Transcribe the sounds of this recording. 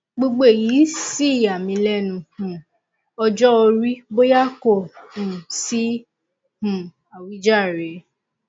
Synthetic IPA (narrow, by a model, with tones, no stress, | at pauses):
ɡ͡bo˧ɡ͡bo˦e˨ji˨˦si˦˨a˨mĩ˨˧lɛ˦nũ˨˧hũ˨ | ɔ˧d͡ʒɔ˦o˧ɾi˦bo˦ja˦ko˦˨hũ˨si˦ | hũ˨ | a˨wi˨˦d͡ʒa˦˨ɾe˨˦